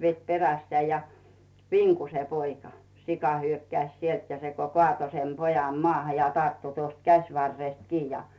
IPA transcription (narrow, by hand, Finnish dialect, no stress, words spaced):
ʋet peræsːĕæˑ jɑ ʋiŋku se poikɑ sikɑ hyøkːæĭs sielt jɑ se ko koɑˑto sem pojɑm moɑˑhɑ jɑ tɑrtːu tuost kæsʲʋɑrːest kiː jɑ